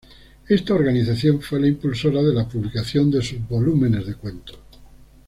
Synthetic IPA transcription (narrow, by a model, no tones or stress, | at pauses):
est̪aoɾɣaniθaθjoɱfwelaimpulsoɾaðelapuβlikaθjond̪esuzβolumẽ̞ne̞zðe̞kwẽ̞nt̪o̥